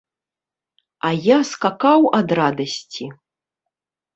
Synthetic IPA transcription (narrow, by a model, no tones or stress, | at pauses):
ajaskakawɐd̪rad̪ɐsʲt͡sʲi